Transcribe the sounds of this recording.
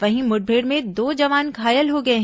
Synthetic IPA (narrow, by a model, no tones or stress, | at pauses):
ʋɐɦĩmʊʈ̚bʱeːɽmẽd̪oːd͡ʒɐʋaːnɡʱaːjəlɦoɡɐeɦ